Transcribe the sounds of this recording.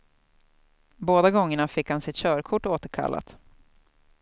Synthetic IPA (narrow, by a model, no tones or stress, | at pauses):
boːd̪aɡɔŋːəɳafɪkhansɪt̪ɕœːɾkʰʊʈːoːt̪əɾkʰa̰lːa̰t̪